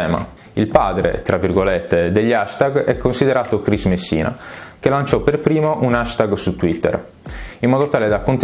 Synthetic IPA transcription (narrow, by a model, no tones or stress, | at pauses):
ɛːma̰ | ilpaːd̪ɾḛt̪ɾavːirɡolɛt̪ːed̪eʎːaʃt̪aɡɛkːonsid̪eɾaːt̪okɾizmesːḭːna̰k̟elant͡ʃɔperpɾiːmoʔunaʃt̪aɡsut̪ːwit̪ːɛ̰r | imːɔːd̪ot̪aːled̪akːont̪